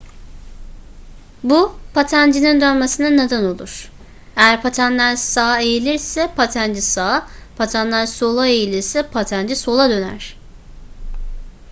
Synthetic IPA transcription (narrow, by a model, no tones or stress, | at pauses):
bupʰat̪ʰænd͡ʒinind̪ønmesininad̪ano̞lˠṵɾ̥ | ejæɾpʰat̪ʰænlʲæɾsaːejilʲiɾsɛpʰat̪ʰænd͡ʒisapʰat̪ʰanlʲæɾsolˠaejilʲiɾsɛpʰat̪ʰænd͡ʒiso̞lˠad̪ø̞næ̰ɾ̥